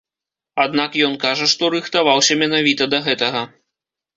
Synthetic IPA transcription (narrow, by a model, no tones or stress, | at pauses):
ad̪nakjɔnkaʐɐʂt̪ɔɾɨxt̪avawsʲɐmʲɛnavʲit̪ɐd̪ɐɣɛt̪ɐɣɐ